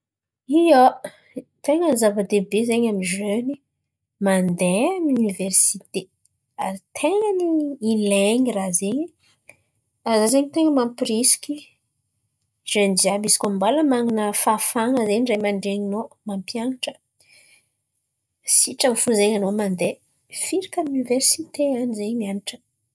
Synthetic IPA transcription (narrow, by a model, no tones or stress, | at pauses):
ija | t̪eŋənizavəd̪ebezeɲamiʒøni | mand̪eamuniversit̪e | aɾit̪ʰeŋəniileɲirazeɲi | azazeɲit̪eŋəmamprisi̥kʲi | ʒend͡ʒiabisi̥kʲombaləmaŋinəfafaŋəzeɲzamanɖ͡ʐeɲinomampjaŋaʈ͡ʂə̥ | siʈ͡ʂamfuzeɲanomand̪e | fiɾikamuniversit̪eanizeɲmianiʈ͡ʂə̥